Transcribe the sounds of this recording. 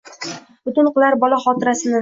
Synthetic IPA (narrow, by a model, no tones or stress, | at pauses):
b̥ʊt̪ɪnqʊlˠaɾbɒlˠaχɒt̪ɪɾasɪnɪ